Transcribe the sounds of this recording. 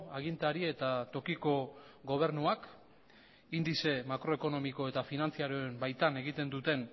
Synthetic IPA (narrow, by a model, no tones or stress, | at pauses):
aɣ̞int̪aɾie̞t̪at̪o̞kiko̞ɣo̞β̞e̞ɾnuak | ind̪ise̞makɾo̞e̞ko̞no̞miko̞e̞t̪afinant͡siaɾoembajt̪ane̞ɣit̪e̞nd̪ut̪e̞n